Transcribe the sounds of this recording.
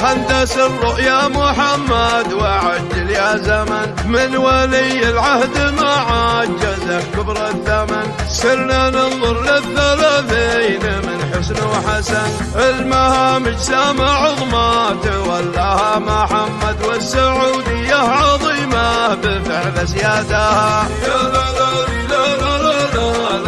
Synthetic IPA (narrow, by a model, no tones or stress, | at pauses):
hand̪asɪrːʊʔjamʊħamːad̪waʕad͡ʒːɪljazaman | mɪnwalijɪlʕahd̪maʕad̪̚d͡ʒazakʊbɾˤɑθːamansɪɾnanɪnðˤʊɾˤlɪθːalaːθiːnmɪnħɪsnuħasan | ʕɪlmahamɪd͡ʒsaːmaʕʊðˤmat̪walːahamʊħamːad̪wɪsːaʕuːd̪ɪjːaʕɑðˤiːmabɪfɪʕlazjaːd̪aha